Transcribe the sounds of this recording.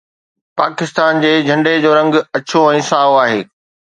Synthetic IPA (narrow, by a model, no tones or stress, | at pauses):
paːkɪst̪aːnd͡ʑeːd͡ʑʱɐ̃ɳɖed͡ʑoːɾɐ̃ŋɡɐt͡ɕoɛ̃ːsaːoaːɦeː